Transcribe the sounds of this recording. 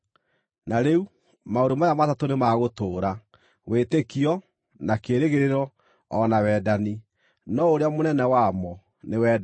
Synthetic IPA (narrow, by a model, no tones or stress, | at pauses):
naɾeu | maoɾomajamatatonemaɣotoːɾa | wetekiɔ | nakeːɾeɣeɾeɾɔː | nawɛːdani | nɔoɾeamonɛnɛwamɔ | newɛ